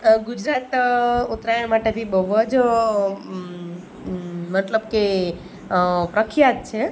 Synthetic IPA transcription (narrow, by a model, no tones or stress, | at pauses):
ɡud͡ʒɾat̪ut̪ɾajəɳmaʈet̪ʰibəʋod͡ʒ | mət̪ləbke | pɾəkʰjat̪̚t͡ʃʰe